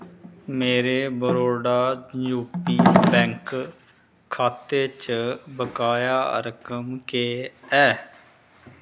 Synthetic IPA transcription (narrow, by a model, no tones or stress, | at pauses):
meːɾeːbəɾoːɽaːjuːpiːbɛ̃ːŋk | kʰːaːt̪eːt͡ʃəbəkaːjaːɾəkəmkeːɛː